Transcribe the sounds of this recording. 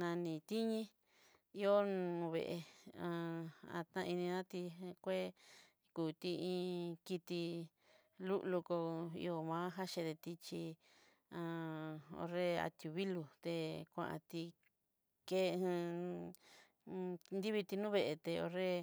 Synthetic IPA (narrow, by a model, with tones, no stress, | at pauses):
nã˧nĩ˧t̪i˦ɲĩ˦ | i˦o˦nũ˧βḛ˧˨ʔe˧ã˧ã̰˧t̪ã˦˧i˧nĩ˧nã˦t̪i˧kʷe˦ | kuː˨t̪i˧ĩː˧ki˧t̪i˧ | lu˦ʔlu˧ko˧ḭ˧o˧mãː˦ɦa˦ʃẽ˧t̪e˧t̪i˧t͡ʃi˧ | ã˧o̰˧ɾe˦a̰˧t̪ju˨βi˦lu˧t̪e˧kʷã̰˧ʔã̰˧t̪i˧ | kẽ˦˧ | nd̪i˦βi˧t̪i˧nũː˦βe˧ʔe˧t̪e˧o˧re˦